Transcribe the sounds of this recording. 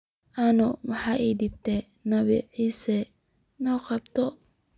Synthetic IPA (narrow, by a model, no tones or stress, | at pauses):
ʔɐnʊmɑħɑːʔɛd̪ib̚t̪ʰɛ | nɐβɪ̰ʕiːsɛ | nɔːqɑbt̪ʰɔ